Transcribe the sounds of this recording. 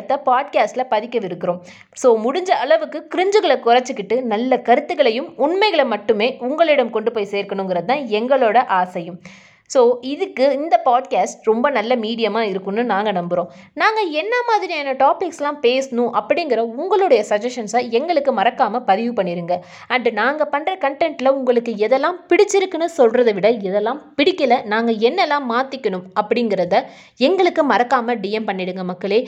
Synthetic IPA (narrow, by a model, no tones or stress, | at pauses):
t̪ːɐpaːʈkaːsʈlɐpɐðɪkːɐʋɪɾɯkːɪɾõː | soːmʊɽʊɲd͡ʒɐɐɭɐʋɯkːɯkɪɾɪɲd͡ʒɯɣɐɭɐkʊrɐt͡ʃːɯkːɪʈːɯnɐlːɐkɐɾɯt̪ːɯɣɐɭɐjɯmʊɳmɐɪɣɐɭɐmɐʈːɯmeːʊŋɡɐɭɪɽɐmkɔɳɖɯpoːjseːɾkɐɳʊ̃ŋɡɪɾɐɯt̪ːãːɛŋɡɐɭoːɽɐʔaːsɐjɯm | soːɪðɯkːɯɪnd̪ɐpaːɖkaːsʈɾɔmbɐnɐlːɐmiːɽɪjɐmaːɪɾɯkːɯnːɯnaːŋɡɐnɐmbɯɾõː | naːŋɡɐɛnːɐmaːðɪɾiɛnːɐʈaːpɪkslãːpeːsnʊ̃ʔɐpːɐɽɪŋɡɪɾɐʊŋɡɐɭɯɽɐjɐsɐd͡ʒɐʂɐnsɐɛŋɡɐɭɯkːɯmɐɾɐkːaːmɐpɐðɪʋɯpɐɳːɪɾɯŋɡɐ | ɐɳɖnaːŋɡɐpɐɳːrɾɐkɐɳʈɛɳʈɪlɐʊŋɡɐɭɯkːɯɛðɛlːãːpɪɽɪt͡ʃːɪɾɯkːɐnːɯsɔlrɐðɯʋɪɽɐɛðɛlːãːpɪɽɪkːɐɭɐnaːŋɡɐɛnːɛlːãːmaːt̪ːɪkːɐnɯmɐpːɐɽɪŋɡɪɾɐðɐ | ɛŋɡɐɭɯkːɯmɐɾɐkːaːmɐɖɪjɐmpɐɳːɪɽɯŋɡɐmɐkːɐɭeː